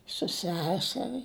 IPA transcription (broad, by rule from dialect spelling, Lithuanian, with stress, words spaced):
sʊ ˈsʲæːsʲɛrʲɪ